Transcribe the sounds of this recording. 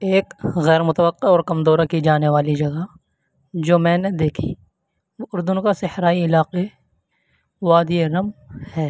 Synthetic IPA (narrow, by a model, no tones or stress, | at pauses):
eːkɣɛːɾmʊt̪əʋəqːeɔːɾkɐmd̪oːɾakid͡ʒaːneʋaːlid͡ʒɐɡa | d͡ʒoːmɛ̃ːned̪eːkʰḭ | ʊɾd̪ʊnkasɪhɾaːiɪlaːqe | ʋaːd̪ieɾɐmhɛː